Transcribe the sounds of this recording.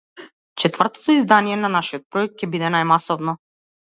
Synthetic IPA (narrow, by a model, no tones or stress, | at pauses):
t͡ʃɛt̪vr̩t̪ɔ̥t̪ɔizd̪anijɛnanaʃiɔt̪̚pɾɔɛk̚t̪̚cɛbid̪ɛnajmasɔvnɔ